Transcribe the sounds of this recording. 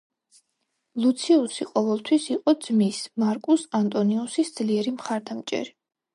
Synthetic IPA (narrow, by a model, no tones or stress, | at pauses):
lˠut̪sʰiusiqʼɔvɛlˠt̪ʰwisiqʼɔd̪z̥mismaɾkʼusant̪ʼɔniusisd̪z̥liɛɾimχaɾd̪amt͡ʃʼɛ̰ɾi